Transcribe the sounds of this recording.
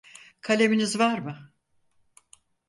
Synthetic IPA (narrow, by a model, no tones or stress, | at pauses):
kʰalʲe̞minizvaɾmɯ